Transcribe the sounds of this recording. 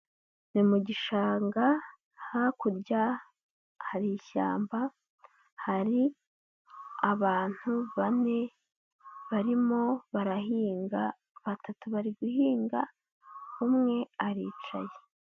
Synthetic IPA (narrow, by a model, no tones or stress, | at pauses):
nimuɟiʃaːŋɡa | hakuɾɟa | haɾiʃa̰ːmba | haɾi | aβaːn̥huβane̞ | βaɾimo̞βaɾahiːŋɡa | βatatuβaɾiɡuhiːŋɡa | humŋe̞aɾiːt͡ʃa̰je